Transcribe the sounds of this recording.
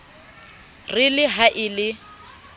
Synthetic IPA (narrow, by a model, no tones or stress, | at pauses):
rɪlɪɦaʔɪlɪ